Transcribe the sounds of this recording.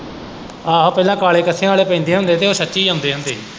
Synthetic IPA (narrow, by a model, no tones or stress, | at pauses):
aːɦõːpɛːlãːkaːleːkəsʰejãːaːleːpɛ̃ːnd̪eːɦʊ̃nd̪eːt̪eːoːsətːʃiːãːʊnd̪eːɦʊ̃nd̪eː